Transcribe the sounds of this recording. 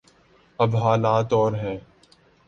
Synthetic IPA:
ɐbɦaːlaːt̪ɔːɾɦɛ̃ː

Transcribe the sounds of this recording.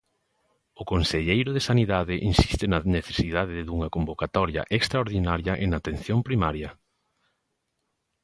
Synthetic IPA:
ʊkonseʎejɾʊðesaniðaðɪʔinsi̥st̪ɪnɐneθe̥siðaðɪðuŋɐkombokat̪ɔɾjɐ̰ʔekst̪ɾaoɾðinaɾjɐʔenat̪enθjompɾimaɾjɐ

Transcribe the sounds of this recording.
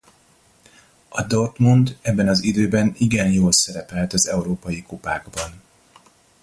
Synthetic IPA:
ɒd̪ort̪mund̪ɛbːɛnɒzid̪øːbɛniɡɛnjoːlsɛɾɛpɛlt̪ɒzɛuɾoːpɒjikopa̰ːɡbɒn

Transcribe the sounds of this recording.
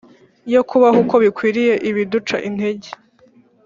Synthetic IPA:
jo̞kʰuβahuko̞βikwiːɾije̞ʔiβidut͡ʃaʔin̥he̞ɟe

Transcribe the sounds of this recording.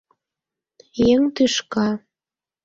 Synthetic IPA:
jeŋt̪yʃkɑ

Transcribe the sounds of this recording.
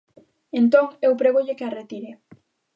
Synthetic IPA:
ent̪oŋewpɾeɣoʎekearet̪iɾe

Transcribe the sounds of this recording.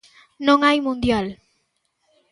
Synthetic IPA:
nɔŋajmond̪ijal

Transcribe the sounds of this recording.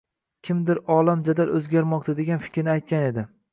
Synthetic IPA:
kʲʰɪmd̪ɪɾɒlˠamd͡ʒad̪alʔɵzɡʲaɾmɒq̚t̪ʰad̪e̞ɡʲanfɪ̥kʲʰɾɪnɪajt̪̚kʲane̞d̪ɪ

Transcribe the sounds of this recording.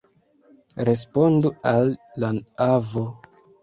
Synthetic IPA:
ɾe̞spo̞ndualːanavo

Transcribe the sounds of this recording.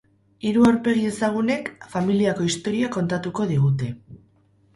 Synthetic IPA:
iɾuawɾpe̞ɣ̞ie̞saɣ̞une̞kfamiliako̞ist̪o̞ɾiako̞nt̪at̪uko̞ð̞iɣut̪e̞

